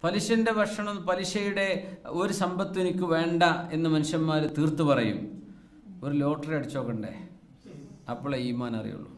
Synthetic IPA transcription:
pɐliɕɐnde̞bʱɐʂɐɳɐmpɐliɕɐjuɽe̞o̞ɾusɐmbɐt̪ːenikʲːuʋe̞ːɳɖɐe̞nːɨmɐnuɕɐnmaːɾt̪iːrt̪ːupɐrɐjṵm | oɾulo̞ːʈːɐrɐɽit͡ɕːo̞ːkːɐɳɖḛ | ɐpːoɭːeiːmaːnɐ̰rḭjṵɭːṵ

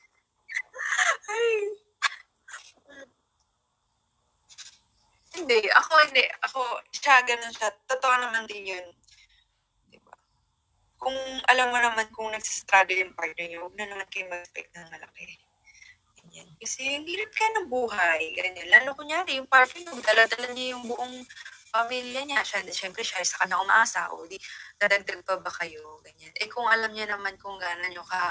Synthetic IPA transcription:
haj | ʔ̩ | hɪnd̪ɛʔɐ̰ko̞hɪnd̪ɛʔɐko̞ʃaɡɐno̞nʃat̪ot̪oʔanɐmand̪ɪnjon | d̪̥ɪba | kʊŋʔɐlamːonɐmankʊŋnɐɡ̥̚si̥st̪ɾaːd̪ojʊŋpaɹt̪̚nɛɲowɐɡ̚nanɐmankɐjʊŋmɐɛspɛ̰k̚t̪̚nɐŋmɐlɐkɛ | ɡ̥ɐɲankɐsɛhʊŋhiːɾɐp̚kɐjonɐŋbuːɦajɡɐɲanlaːlokʊŋaːɾɪjʊŋpaɾt̪ɛɲɡd̪alad̪ɐlɐnɲɐjʊŋbʊʔoŋpɐmiljɐɲaʃanɐʃɛmpɾɛʃasɐkɐɲːaʔʊmɐ̰ʔaːsa̰ʔo̰d̪inɐd̪ɐɡ̚d̪ɐɡ̚pɐbɐkɐjoɡɐɲanʔɛkʊŋʔɐlamɲanɐmankʊŋɡaːnɐɲokɐ

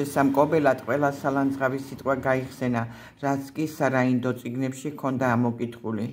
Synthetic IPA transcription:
ɛsamkʼɔbɛlad̪qʼwɛlˠasaland̪zʁavisit̪ʼqʼwaɡaiχsɛna | ɾat̪sʰkʼisaɾaind̪ɔt̪sʼiɡnɛpʃikʰɔnd̪aːmɔkʼit̪ʰχuli

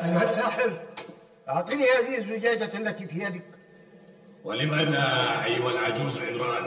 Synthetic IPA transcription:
ʔamhalsaːħɪɾ | ʔɑʕt̪ˤiːnihaːðihɪzːʊd͡ʒaːd͡ʒaalːat̪ifijad̪ak | walɪmad̪aʔajwalʕad͡ʒuːzlʕɪnɾɑːn

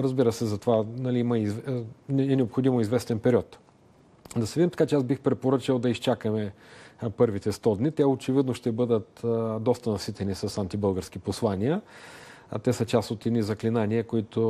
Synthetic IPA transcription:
ɾɐzbiɾəsɛzɐt̪ovanɐliimɐizv | ɛnɛopxod̪imoizvɛst̪ɛnpɛɾiɔt̪ | d̪ɐsɛvid̪imt̪ɐkat͡ʃɛasbixpɾɛpoɾət͡ʃəlˠd̪ɐist͡ʃakəmɛ | pɤɾvit̪ɛst̪ɔd̪nit̪ɛot͡ʃɛvid̪noʃt̪ɛbɤd̪ət̪d̪ɔst̪ɐnɐsit̪ɛnisɐsant̪ibɤlˠɡəɾsk̟iposlˠaniə | t̪ɛsət͡ʃast̪ot̪ɛd̪nizɐklinaniəkoit̪o

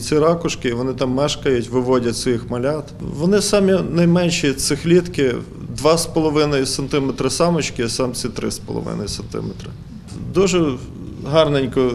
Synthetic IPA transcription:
t͡sʲiɾɑkʊʃkɪiʋɔnɪt̪ɑmːɛʃkɐjʊtʲʋɪʋɔdʲɐtʲsʲixmɐlʲɑt̪ʋɔnɪsɑmʲinɐjmɛnʃit̪sɪxlʲit̪kɪ | d̪ʋɑspɔlˠɔʋɪnɐjisɐnt̪ɪmet̪ɾɪsɑmɔt͡ʃkɪsɑmt͡sʲsʲit̪ɾɪ̰spɔ̰lˠɔ̰ʋɪ̰nɐ̰jisɐnt̪ɪ̰met̪ɾɪ | d̪uʒɛ | ɦɑrnenʲkɔ

